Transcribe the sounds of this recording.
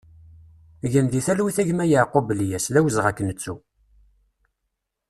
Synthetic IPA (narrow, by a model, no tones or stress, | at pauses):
ʝənðiθælwiθæʝmæjəʕqobəljæslæwəzʁækːnət͡sːu